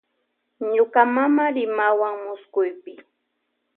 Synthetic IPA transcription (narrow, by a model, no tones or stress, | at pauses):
ɲokamamaɾɪmawaŋmʊskʊjpɪ